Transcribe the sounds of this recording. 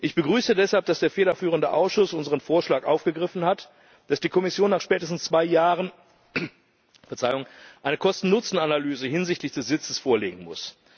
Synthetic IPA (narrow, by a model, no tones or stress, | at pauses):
ʔɪçb̥əɡʁyːsədɛshalp̚d̥asd̥eːɐfeːdɐfyːʁ̞əndəʔa̰ʊsʃʊsʔʊnzəʁənfoːɐʃlaːkʔaʊfɡ̥əɡʁɪfn̩hat | d̥asd̥iːkʰɔmɪsjoːnːaːχʃpɛːtəstn̩st͡sv̥aɪjaːʁən | fɛɐt͡saɪʊŋʔaɪnəkʰɔstn̩nʊt͡sn̩analyːzəɦɪnzɪçtlɪçd̥ɛsz̥ɪt͡səsfoːɐlḛːɡŋ̩mʊ̰s